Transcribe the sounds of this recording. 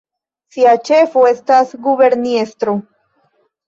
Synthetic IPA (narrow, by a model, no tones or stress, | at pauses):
siat͡ʃe̞foest̪asɡuβe̞ɾniest̪ɾo